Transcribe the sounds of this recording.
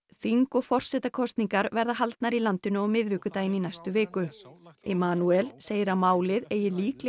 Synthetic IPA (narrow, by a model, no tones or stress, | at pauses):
θiŋkɔɣfɔr̥sɛt̪akʰɔst̪niŋkaɾvɛɾðaɦalt̪naɾilant̪ɪnʏɔɣmɪðvɪːkʏt̪aːjɪninajst̪ʏvɪːkʏɛmaːnuɛlseːjɪɾamaːwlɪðeːjɪliːklɪ